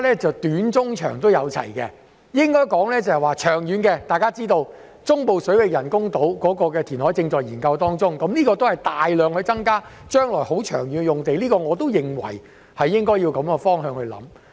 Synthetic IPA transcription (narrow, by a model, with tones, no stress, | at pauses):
lɛː˥t͡sɐ˨wt̪yː˨˥nt͡sʊ˥ŋt͡ʃʰœ̰ː˨˩ŋt̪o˥wjɐ˨˧wt͡sʰɐ̰˨˩jkɛ̰˧ | jɪ˥ŋkɔː˥jkɔː˨˥ŋlɛː˥t͡sɐ˨˩hɛ˨waː˨t͡ʃʰœː˨˩ŋjyː˨˧nkɛ˧t̪aː˨jkaː˥t͡siː˥t̪o˧w | t͡sʊ˥ŋpo˨wsɵ˨˥ɥwɪ˨k̚jɐ˨˩nkʊ˥ŋt̪o˨˥wkɔː˨˥kɔː˧kɛː˧t̪ʰiː˨˩nhɔː˨˥jt͡sɪ˧ŋt͡sɔː˨jiː˨˩nkɐ˧wt̪ɔː˥ŋt͡sʊ˥ŋkɐ˨˦˥mliː˥kɔː˧t̪o˥whɐ˨˩jt̪aː˨jlœː˨ŋhɵ˧ɥt͡sɐ˥ŋkaː˥t͡ʃœː˥ŋlɔː˨˩jho˨˥wt͡ʃʰœː˨˩ŋjyː˨n˧jʊ˨˩ŋt̪e˨jliː˥kɔː˧ŋɔː˨˧t̪o˥wjɪ˨ŋwɐ̰˨˩j | hɐ˨jːɪ˥ŋkɔː˥ji˧wkɐ˨˥mkɛ˧fɔː˥ŋɦœː˧ŋhɵ˧ɥlɐ̰˨˥m